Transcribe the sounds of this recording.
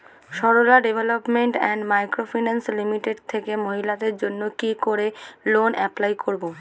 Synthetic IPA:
ʃɔɾolaɖebʱelopmeɳʈɛnɖmajkɾofinanslimiʈeɖt̪ʰekemoɦilad̪eɾd͡ʑonːokikoɾelonɛplajkoɾbo

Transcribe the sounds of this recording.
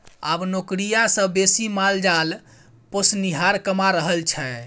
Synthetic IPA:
abnokɾijasə̃besimald͡ʒal | posniɦaɾkəmaɾəɦəlt͡ʃʰɛ

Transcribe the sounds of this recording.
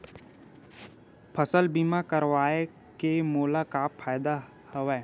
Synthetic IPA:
pʰəsəlbiːmakəɾʋaːe | kemoːlakaːpfʰaːjd̪a | hʊʋɛː

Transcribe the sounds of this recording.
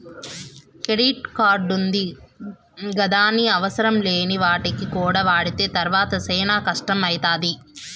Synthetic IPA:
kɾeɽiːʈkaːɾɖund̪i | ɡɐd̪aːniɐʋɐsɐɾɐmleːniʋaːʈikikuːɽaːʋaːɽit̪e̞ːt̪ɐɾʋaːt̪ɐsɛːnaːkɐʂʈɐmɐjt̪aːd̪i

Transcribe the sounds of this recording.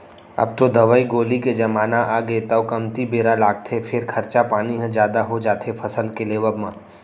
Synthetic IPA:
ɐ̰b̚t̪od̪ɐʋəiɡoːliked͡ʒɐmaːnaʔaːɡeːt̪ɐokɐmt̪ibeːɾalaːɡ̚t̪ʰefʰɪɾkʰɐɾt͡ʃapaːniɦɐ̃d͡ʒjaːd̪aɦod͡ʒaːt̪ʰefʰɐsəlkeleːʋəbmãː

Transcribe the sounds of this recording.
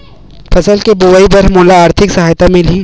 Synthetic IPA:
pɐsəlkeboʋaːibɐɾmoːlaaːɾt̪ʰɪksɐɦaːjt̪amɪ̃li

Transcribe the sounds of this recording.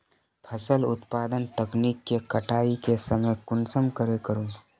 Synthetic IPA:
pʰəsəlʊ̰t̪paːd̪ənt̪əkniːkːekɐʈʰaːikesəməjkʊnsəmkəɾekəɾũː

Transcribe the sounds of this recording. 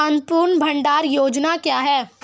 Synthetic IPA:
ə̃nt̪puːɾɳbʱɐ̃ɳɖaːɾjoːd͡ʒnakjaːɦɛː

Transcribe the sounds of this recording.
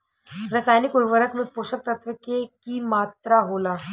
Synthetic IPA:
ɾɐsaːjnikuɾʋəɾəkmẽpoɕək̚t̪ət̪ʰʋəkekimaːt̪ɾaɦola

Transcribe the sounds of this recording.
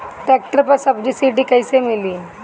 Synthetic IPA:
ʈɛk̚ʈəɾpəsəbd͡ʑiːsiʈiːkəjsemiliː

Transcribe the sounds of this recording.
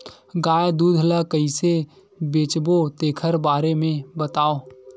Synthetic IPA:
ɡaːjad̪uːd̪ʱɦəlakəise | beːt͡ʃbot̪eːkʰəɾbaːɾemẽbət̪aːoː

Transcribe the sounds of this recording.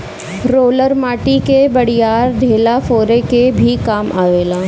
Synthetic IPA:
ɾoːləɾmaːʈikebɐɽijaːɾd̪ʱeːlafoːɾekebʱikaːmʔaːʋeːlaː

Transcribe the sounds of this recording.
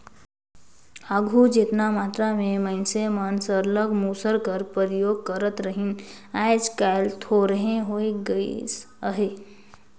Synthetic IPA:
aɡʱud͡ʒet̪namaːt̪ɾamẽmənsemənsəɾləɡmuːsəɾkəɾpəɾjoːɡ̚kəɾət̪ɾəɦin | aːɪd͡ʒkaːɪlt̪ʰoɾəɦẽɦoeɡəis | əɦe

